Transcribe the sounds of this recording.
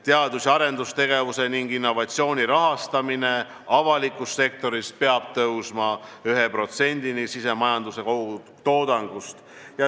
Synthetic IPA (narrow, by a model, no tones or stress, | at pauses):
t̪eɑd̪̥usʲɑɾe̞nd̪ust̪e̞ɡe̞vuse̞niŋɡ̥inːo̞vɑt̪sio̞ːnʲiɾɑɦɑst̪ɑmine̞ | ɑvɑlikːˑusːe̞k̚t̪o̞ɾispe̞ɑb̥̚t̪ɤwsmɑyɦepro̞t̪se̞nʲd̪̥inisise̞mɑjɑnd̪use̞kou | t̪o̞ːd̪ɑŋɡ̥ust̪jɑ